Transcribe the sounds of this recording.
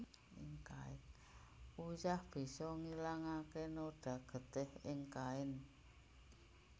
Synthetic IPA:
ɪŋkaɪn | ujahb̥i̤sɔŋilaŋakenoɖ̥a̤ɡ̥ə̤t̪ɪhɪŋkaɪn

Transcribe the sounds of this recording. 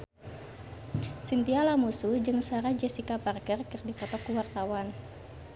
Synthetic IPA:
sint̪ialamusud͡ʒɨŋsaɾad͡ʒɛsikaparkərkɨrdipɔt̪ɔkuwart̪awan

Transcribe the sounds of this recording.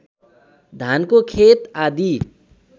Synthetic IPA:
d̪ʱankokʰet̪ad̪ʱi

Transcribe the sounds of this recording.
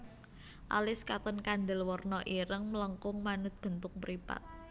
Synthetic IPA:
ʔalɪskat̪ənkand̪əlwɔrnɔʔiɾəŋmələŋkʊŋmanʊt̪̚b̥ə̤nt̪ʊk̚məɾipa̰t̪̚

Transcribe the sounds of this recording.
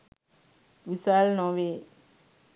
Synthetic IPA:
ʋisaːlnɔ̃ʋeː

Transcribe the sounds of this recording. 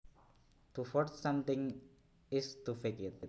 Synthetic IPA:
t̪ufɔtsãmt̪ɪ̃ŋ | ist̪ufekɪt̪̚

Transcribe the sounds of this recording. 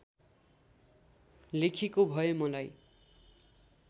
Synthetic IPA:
lekʰikobʱʌjomʌlaj

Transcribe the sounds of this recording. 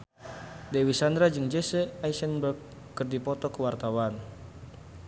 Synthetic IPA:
dɛwisand̪ɾad͡ʒɨŋd͡ʒɛsɛaisɛnbəkː | ɨrdipɔt̪ɔkəwart̪awan

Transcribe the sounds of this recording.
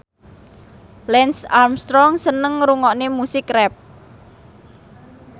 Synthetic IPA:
lɛnsarmst̪ɾɔŋsənəŋɾuŋɔʔnemusɪkrɛp̚

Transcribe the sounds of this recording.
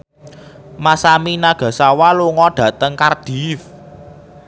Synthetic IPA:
masaminaɡ̥ä̤sawaluŋɔɖ̥ä̤t̪əŋkard̥i̤f

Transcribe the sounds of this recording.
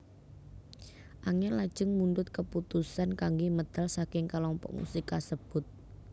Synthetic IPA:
ʔaŋɛlad̥ʒ̥əŋmundʊt̪̚kəput̪usankaŋɡiməd̪̥a̤lsakɪŋkalɔmpɔ̰ʔmṵsikasəb̥ʊt̪̚

